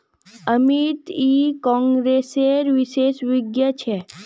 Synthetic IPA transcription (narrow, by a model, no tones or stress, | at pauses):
əmit̪ikɔ̃ŋɡɾeseɾʋiʃeʃʋiɡjət͡ʃʰe